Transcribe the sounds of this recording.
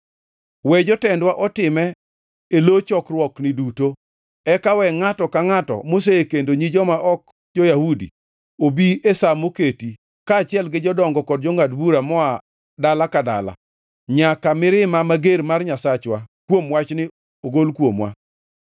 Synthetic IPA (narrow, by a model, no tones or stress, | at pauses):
wɛd͡ʒɔtɛndwaʔɔtɪmɛ | elot͡ʃɔkrwɔknɪduto | ɛkawɛŋatɔkaŋatɔ̰mos̬eekendoɲid͡ʒɔmaʔɔk | d͡ʒojahudḭ | obiesamoketi | kaːt͡ʃɪɛlɡɪd͡ʒɔdɔŋɡɔkɔd̚d͡ʒɔŋatbuɾamɔa | dalakada̰la̰ | ɲakamɪɾɪmamaɡeɾmarɲasat͡ʃwakwomwat͡ʃnɪ | oɡolkwomwa̰